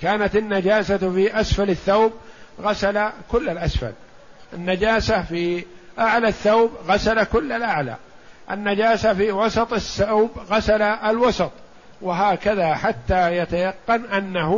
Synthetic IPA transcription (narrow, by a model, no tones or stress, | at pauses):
kaːnat̪ɪnːad͡ʒaːsafiʔasfalɪθːawb̚ɣasalakʊlːalʔasfa̰l | ʔɪnːad͡ʒaːsafi | ʔaʕlaθːawbɣasalakʊlːalʔaʕla̰ː | ʔɪ̰nːad͡ʒaːsafiːwɑsɑt̪ˤɪsːawbɣasalaʔalwɑsɑt̪ˤ | wɪɦaːkaðaħat̪ːaːjat̪ajɑqːɑnʔanːahʊ